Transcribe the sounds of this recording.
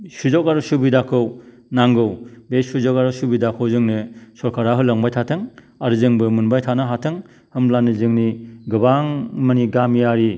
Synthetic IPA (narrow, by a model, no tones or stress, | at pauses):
suzɔkaɾusubidakʰɯw | naŋɡɯwbesuzɔkaɾusubidakʰɯwzɯŋnɯsɔɾkʰaɾaɦɯlaŋbajtʰatʰɯŋ | aɾzɯŋbɯmunbajtʰanaɦatʰɯŋ | hɯmlanɯzɯŋniɡɯbaŋmaniɡamijaɾi